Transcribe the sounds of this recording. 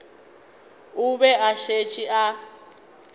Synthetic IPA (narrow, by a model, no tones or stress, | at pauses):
ubɛʔaʃet͡ʃʼiʔa